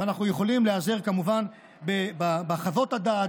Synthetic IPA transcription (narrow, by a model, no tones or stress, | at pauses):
anaχnujeχo̞limleazeʁkamuvan | bebabaχavo̞t̪had̪at